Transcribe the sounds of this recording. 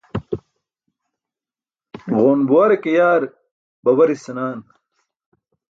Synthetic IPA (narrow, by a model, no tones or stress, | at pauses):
ɣoːnbuwaɾekejaːɾ | bɐwɐɾisɐnaːn